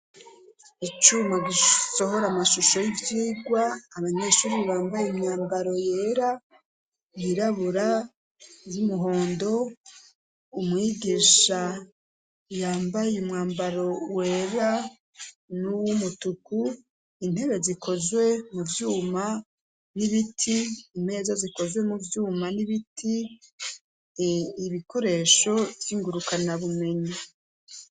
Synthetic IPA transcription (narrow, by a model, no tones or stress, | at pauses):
it͡ʃumaɡiso̞ɦo̞ɾamaʃuʃo̞jivjiːɡwaːβaɲeʃuːɾiβaːmbajimɲaːmbaɾo̞jeːɾa | jiɾaβuɾa | zumuɦo̞ːndo̞ | umŋiːɡiʃa | jaːmbajeumŋaːmbaɾo̞weːɾa | nuwumutuku | in̥he̞βe̞zikʰo̞zwe̞muvjuːma | niβitʰiːme̞ːzaziko̞zwe̞muvjuːmaniβitʰi | iβiko̞ɾe̞ːʃo̞vjiːŋɡuɾukanaβume̞ɲi